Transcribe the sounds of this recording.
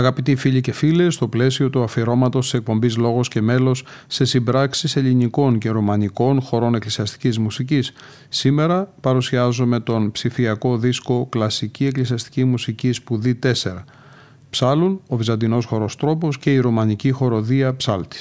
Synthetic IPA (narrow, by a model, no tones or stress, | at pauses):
ɐɣɐpit̪ifiʎice̞file̞st̪o̞ple̞sio̞t̪uɐfiɾo̞mɐt̪o̞st̪i̥se̞k̚po̞mbizlo̞ɣo̞sce̞me̞lo̞sːe̞simbɾɐksise̞ʎiniko̞nce̞ɾumɐniko̞nxo̞ɾo̞ne̞klisiɐst̪i̥cizmusicisː | ime̞ɾɐpɐɾusiɐzume̞t̪o̞npsifiɐko̞ðisko̞klɐsicie̞klisiɐst̪i̥cimusicispuðit̪e̞se̞ɾɐ | psɐluno̞vizɐnd̪ino̞sxo̞ɾo̞st̪ɾo̞po̞sce̞iɾumɐnicixo̞ɾo̞ðiɐpsɐlt̪i̥s